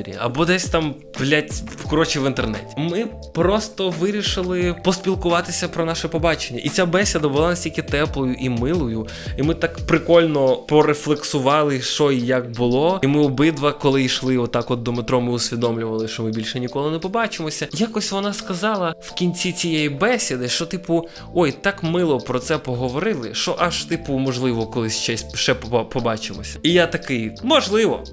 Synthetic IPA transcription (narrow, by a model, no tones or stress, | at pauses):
ɾʲḭɐ̰bɔd̪ɛsʲt̪ɑm | ʋlʲatʲkɔɾɔt͡ʃiʋɪnt̪ernɛ̰tʲi̥mɪ | pɾɔst̪ɔʋɪɾʲiʃɪlˠɪpɔsʲpʲilˠkʊʋɑt̪ɪsʲɐpɾɔnɑʃɛpɔbɑt͡ʃenʲːɐʔit͡sʲabɛsʲɐd̪ɐbʊlˠɑnɐsʲtʲilʲkɪt̪ɛplˠɔjʊʔimɪlˠɔjʊ | imɪt̪ɑkpɾɪkɔlʲnɔpɔɾeflˠeksʊʋɑlˠɪʃɔijɐkbʊlˠɔimɪɔbɪd̪ʋɐkɔlˠɪjʃlˠɪɔt̪t̪ːɑkɔd̪ːɔmɪt̪ɾɔmɪʊsʲʋʲid̪ɔmlʲʊʋɐlˠɪʃt͡ʃɔmɪbʲilʲʃɛnʲikɔlˠɪnɛpɔbɑt͡ʃɪmɔsʲɐjakɔsʲʋɔnɑskɐzɑlˠɐwkʲinʲt͡sʲit͡sʲijɛjibɛsʲid̪ɪʃt͡ʃɔt̪ɪpʊ | ɔjt̪ɑkmɪlˠɔpɾɔt̪sɛpɔɦɔʋɔɾɪlˠɪʃt͡ʃɔʔɐʃt̪ɪpʊmɔʒlˠɪʋɔkɔlˠɪsʲt͡ʃɛsʲʃɛppɔbɑt͡ʃɪmɔsʲɐ̥ijat̪ɐkɪjmɔʒlˠɪʋɔ̰